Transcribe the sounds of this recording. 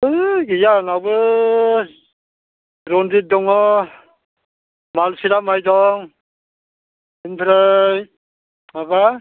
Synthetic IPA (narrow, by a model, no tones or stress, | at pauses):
ɯɡijanawbɯ | ɾɔndidɔŋɔ | malsiɾamajdɔŋ | inpʰɾaj | maba